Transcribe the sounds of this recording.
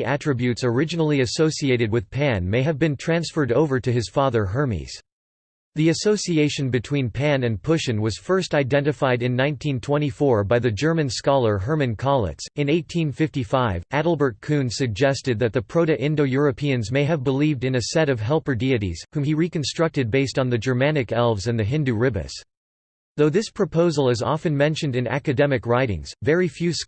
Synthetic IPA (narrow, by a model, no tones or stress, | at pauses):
ʔætɹ̥ɨbjʉtsə˞ɪd͡ʒɨnl̩ˠiɨsoʊsieɪɾɨd̚wɨð̥pʰæ̃nmeɪɨvbɨ̃ntʰɹ̥æ̃nsfə˞ɾoʊvə˞ɾɨɨz̥fɑðə˞ɦɜ˞mḭz̥ | ðiɨsoʊsieɪʃɨ̃nbɨtʰw̥ĩnpʰæ̃nɨ̃npʰʊʃɨ̃nwʌz̥fɜ˞staɪdɛ̃ntɨfaɪɾɨ̃nːãɪ̃ntʰĩntʰw̥ɛ̃ɾ̃ifɔɹbaɪðɨd͡ʒɜ˞mɨ̃nskɑlˠə˞ɦɜ˞mɨ̃nkʰɑlˠə̰tsɨ̃neɪtʰĩnfɪftifaɪvʔæɾl̩ˠbə˞t̚kʰʉ̃nsɨɡ̚d͡ʒɛstɨd̪̚ðɨt̪̚ðɨpʰɹ̥oʊɾɨʔɪ̃ndoʊjʊɹɨpʰiɨ̃nzmeɪɨvbəlivdɨ̃nɨsɛɾʌv̥ɦɛlˠpə˞diɨɾḭz̥hũmiɹikɨ̃n̩stɹ̥ʌk̚tɨd̚beɪstn̩ðɨd͡ʒə˞mænɨkɛlˠvzɨ̃nðɨɦɪ̃ndʉɹɪbɨ̰s | ðoʊðɪspʰɹ̥ɨpʰoʊzl̩ˠɨzɑ̰fɨ̃nmɛ̃nʃɨ̃ndɨ̃næ̰kɨdɛmɨkɹaɪɾɪ̰̃ŋz̥vɛɹifjʉs